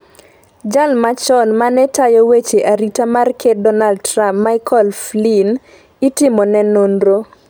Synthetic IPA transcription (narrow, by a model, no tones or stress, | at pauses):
d͡ʒalmat͡ʃɔnmanɛtajɔwet͡ʃeʔaɾitamarkʰedɔnaldtɾampmaɪkɔlflin | itɪmɔnɛnonɾo